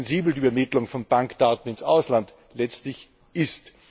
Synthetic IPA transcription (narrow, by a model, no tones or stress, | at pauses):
nziːbl̩diːɛɐmɪtlʊŋfɔnbaŋkd̥aːtn̩ɪnsʔa̰ʊslant | lɛt͡stlɪç | ʔɪst